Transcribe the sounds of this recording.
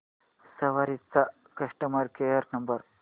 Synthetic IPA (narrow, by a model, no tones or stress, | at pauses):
sɐʋaɾit͡sːa | kɐʂʈəmɐɾkejɐɾnɐmbɐɾ